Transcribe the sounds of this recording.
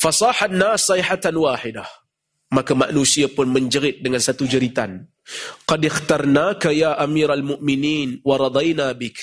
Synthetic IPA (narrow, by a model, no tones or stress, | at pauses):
fɑsˤɑħanːaːsːiħat̪anwaːħɪdah | makama̰ʔnusiapʊnməɲd͡ʒəɾɪt̪̚dəŋansat̪ud͡ʒəɾit̪a̰n | qɑdɪxt̪ɑrˤnakajaːʔamiːɾalmʊʔmɪniːnwɑɾˤɑd̪ˤajnaːbɪk